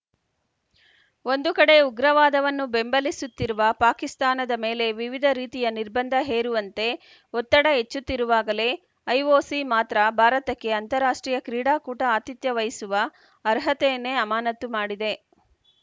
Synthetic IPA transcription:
o̞nd̪ukɐɽe̞uɡɾɐʋaːd̪ɐʋɐnːube̞mbɐlisut̪ːiɾuʋɐpaːkist̪aːnɐd̪ɐme̞ːle̞ʋiʋid̪ʱɐɾiːt̪ijɐniɾbɐnd̪ʱɐɦe̞ːɾuʋɐnt̪e̞ | ɔt̪ːɐɽɐɦet͡ʃːut̪ːiɾuʋaːɡɐle̞ | ɐjʋoːsimaːt̪ɾɐbʱaːɾɐt̪ɐkːe̞ɐnt̪ɐɾaːʂʈɾiːjɐkɾiːɽaːkuːʈɐaːt̪it̪jɐʋɐjisuʋɐː | ɾɦɐt̪ɛjɐnːe̞ɐmaːnɐt̪ːumaːɽid̪e̞

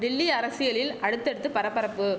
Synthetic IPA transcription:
d̪ɪlːiɐɾɐsɪjɐɭɪlɐɽɯt̪ːɛɽɯt̪ːɯpɐɾɐpːɐɾɐpːɯ

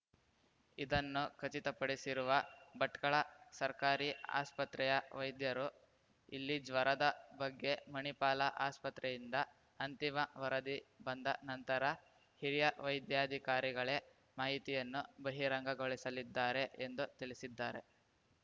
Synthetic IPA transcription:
id̪ɐnːukʰɐt͡ʃit̪ɐpɐɽisiɾuʋɐbɐʈkɐɭɐsɐɾkaːɾia̰ːspɐt̪ɾɛjɐʋɐjd̪jɐɾu | ilːid͡ʒʋɐɾɐd̪ɐbɐɡːe̞mɐɳipaːlɐʔaːspɐt̪ɾɛjind̪ɐ | ɐnt̪imɐʋɐɾɐd̪ibɐnd̪ɐnɐnt̪ɐɾɐ | hiɾijɐʋɐjd̪jaːd̪ʱikaːɾiɡɐɭe̞ | maːɦit̪ijɐnːubɐɦiɾɐŋɡɐɡoɭisɐlid̪ːaːɾe̞ʔend̪ut̪iɭisid̪ːaːɾe̞

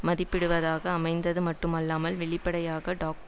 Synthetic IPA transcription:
mɐðɪpːɪɽɯʋɐðaːɣɐːmɐɪnd̪ɐðɯmɐʈːɯmɐlːaːmɐlʋɛɭɪpːɐɽɐjaːɣɐɖaːk̚

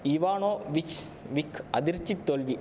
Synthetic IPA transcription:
iʋaːɳoːʋit͡ɕ | ʋikʰɐd̪iɾt͡ɕːit̪ːoːlʋi

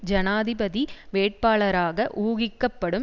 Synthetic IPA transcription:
d͡ʒɐnaːðɪbɐðiʋeːʈ̚paːɭɐɾaːɣɐʔuːɣɪkːɐpːɐɽɯm

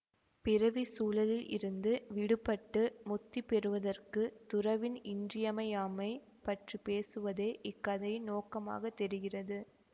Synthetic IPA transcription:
pɪɾɐʋisuːlɐlɪlʔɪ̰ɾɯnd̪ɯʋɪɽɯpːɐʈːɯmʊt̪ːipɛɾɯʋɐðɐrkɯt̪ʊrɐʋɪnɪndrɪjɐmɐjaːmɐɪ | pɐʈripeːsɯʋɐðeːʔɪkːɐðɐjnoːkɐma̰ːɣɐt̪ːɛɾɯɣɪrɐðɯ

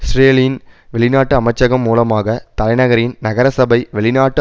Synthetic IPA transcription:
sreːlɪnʋɛɭɪnaːʈːɯɐmɐɪt͡ʃːɐɣɐmːuːlɐmaːɣɐt̪ɐlɐɪnɐɣɐɾɪnnɐɣɐɾɐsɐbɐɪʋɛɭɪnaːʈːɯ

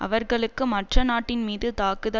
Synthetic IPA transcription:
ʔɐ̰ʋɐɾɣɐɭɯkːɯmɐʈrɐnaːʈːɪnmiːðɯt̪aːkɯðɐ

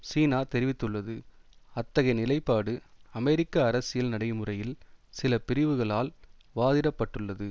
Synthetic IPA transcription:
siːnaːt̪ɛɾɪʋɪt̪ːɯɭːɐðɯɐt̪ːɐɣɐɪnɪlɐɪpːaːɽɯɐmɛɾɪkːɐːɾɐsɪjɪlnɐɽɐɪmɯrɐjɪlsɪlɐpɪɾɪʋɯɣɐɭaːlʋaːðɪɾɐpːɐʈːɯɭːɐðɯ

